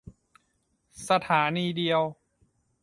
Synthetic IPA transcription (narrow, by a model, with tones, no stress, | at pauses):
sa˧t̪ʰaː˩˦niː˧di˧əw